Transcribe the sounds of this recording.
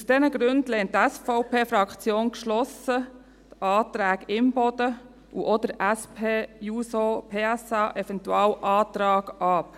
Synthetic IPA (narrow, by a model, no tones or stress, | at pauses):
usd̥ɛnəɡɾʉndlɛːntːɛsfɔʊpʰeːfɾɑkt͡sjoːnkʃlɔsə | t̪ɑːt̪ɾæːɡɪmbɔd̥̪ə | uʔɔd̪əɾæspʰeːjuːsopʰeːɛsɑːʔɛfɛnt̪ualʔɑːt̪ɾɑːɡ̥ɑp